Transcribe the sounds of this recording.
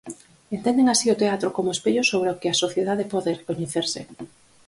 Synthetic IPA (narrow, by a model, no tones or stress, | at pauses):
ent̪end̪eŋasiot̪eat̪ɾokomoespeʎosoβ̞ɾeokeasoθjeðaðepɔðerekoɲeθeɾsɪ̰